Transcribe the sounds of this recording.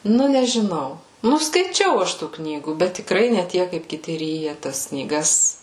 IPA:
ˈnʊ nʲɛʒʲɪˈnɐʊ ˈnʊ skɐɪˈt͡ʃʲɛʊ ˈɐʃ ˈtuː ˈknʲiːɡuː bʲɛt tʲɪkˈrɐɪ nʲɛ ˈtʲiɛk kɐɪp kʲɪˈtʲɪ ˈrʲiːjɛ tɐs knʲiːˈɡɐs

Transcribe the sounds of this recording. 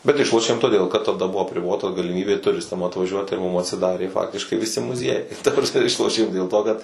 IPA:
bʲɛt ˈɪʃlˠoːʃʲeːm toːˈdʲeːlˠ kɐt tɐˈdɐ ˈbʊʋoː ɐpʲrʲɪˈboːtɐ ɡɐlʲɪˈmʲiːbʲeː tʊˈrʲɪstɐm ɐtʋɐˈʒʲuɔt ɪr mʊm ɐtʲsʲɪˈdɑːrʲeː ˈfɑːktʲɪʃkɐɪ ʋʲɪˈsʲɪ mʊˈzʲiɛjɛɪ ɪr tɐ prɐsʲˈmʲɛ ˈɪʃlˠoːʃʲeːm dʲeːlˠ toː kɐt

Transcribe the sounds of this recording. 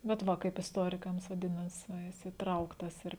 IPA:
bʲɛt ˈʋɐ kɐɪp ɪsˈtoːrʲɪkɐms ʋɐˈdʲɪnɐs ʋɐ ˈjɪs iːˈtrɐʊktɐs ɪr

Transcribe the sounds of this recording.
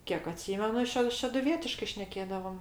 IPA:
ˈkʲiɛk ɐˈtʲsʲiːmʲɛnʊ ˈʃʲɛ ʃʲɛdʊˈʋʲiɛtʲɪʃkɐɪ ˈʃʲnʲæːkʲeːdɐʋoːm

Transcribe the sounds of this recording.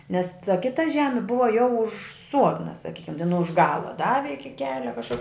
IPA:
nʲɛs tɐ ˈkʲɪtɐ ˈʒʲæːmʲɪ ˈbʊʋɐ jɛʊ ʊʃ ˈsuɔdnɐ sɐˈkʲiːkʲɛm tʲɛn ʊʃ ˈɡɑːlˠɐ ˈdɑːʋʲɪ ˈɪkʲɪ ˈkʲæːlʲɛ kɐʃˈkʊr

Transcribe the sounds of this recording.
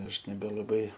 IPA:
ˈɐʃ nʲɛbʲɛlˠɐˈbɐɪ

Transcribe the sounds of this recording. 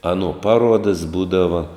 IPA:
ˈɑːˌnuɔ ˈpɑːˌruɔdɐs ˈbuːdɐʋɐ

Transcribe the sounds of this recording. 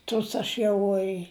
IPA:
ˈtʊs ɐʃ ˈjɛʊ ɪ

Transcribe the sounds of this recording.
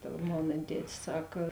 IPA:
tɐ ˈmoːnɐ ˈtʲæːtʲɪs ˈsɐk

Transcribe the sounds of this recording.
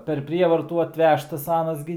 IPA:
pʲɛr ˈpʲrʲiɛʋɐrtuː ɐtʲˈʋʲæːʃtɐs ˈɑːnɐs ɡʲɪ

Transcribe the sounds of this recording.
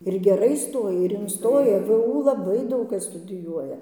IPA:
ɪr ɡʲɛˈrɐɪ ˈstoːjɛ ɪr ɪnˈstoːjɛ ʋʊ lˠɐˈbɐɪ ˈdɐʊk ˈkɐs stʊdʲɪˈjuɔjɛ

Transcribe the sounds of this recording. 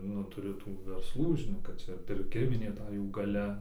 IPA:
ˈnʊ tʊˈrʲʊ ˈtuː ʋʲɛrsˈlˠuː ʒʲɪˈnoːk kɐt ˈt͡ʃʲɛ pʲɪrʲˈkʲɪmʲɪnʲeː ˈtɐ ˈjuː ɡɐˈlʲɛ

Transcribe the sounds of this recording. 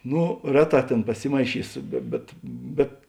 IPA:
ˈnoː ˈrʲæːˌtɑː ˈtʲeːn pɐˈsʲɪmɐɪˌʃʲiːsʊ bʲɛ ˈbʲɛt ˈbʲɛt

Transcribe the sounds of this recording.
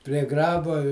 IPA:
pʲrʲiɛ ˈɡrɑːboː ɪ

